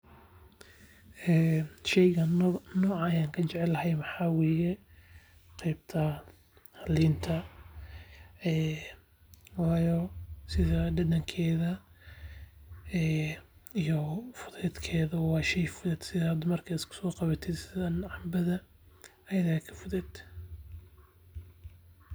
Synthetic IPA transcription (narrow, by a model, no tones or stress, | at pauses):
ɛːʃɛjɣɐnɔːʕɑjaːŋkʰɐt͡ʃɛʕɛlɐɦɛjmɑħɑːwɛːjɛ | qɛjb̚t̪ʰɐ | hɐliːnt̪ʰɐ | ɛː | wɑːjɔsɪðɐɖɐd̪ɐŋkʰɛːðɐ | ɛːijɔfʊðɛːd̪kʰɛːðɐwɑːʃɛjfʊðɛd̪sɪðɐhɐd̪ɔmɐrkʰɐɪskʰʊ̥sɔːqɑβɐt̪ʰɪd̪sɪðɐnʕɑmbɐðɐ | ɐjɐðɐkʰɐ̥fʊðɛːd̪̥